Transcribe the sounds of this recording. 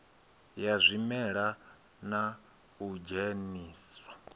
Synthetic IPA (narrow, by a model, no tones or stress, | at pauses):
jazʷimɛɺa | na | ud͡ʒeniːsa